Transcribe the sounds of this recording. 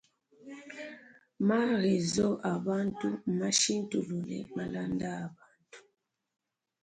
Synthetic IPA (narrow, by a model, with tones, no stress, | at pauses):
ma˦ɣe˨zɔ˦ʔa˨ba˦ntu˦˨ma˦ʃi˦n˦tu˨lu˨lɛ̰˨ma˨la˦nda˦a˨ba˨ntu̥˨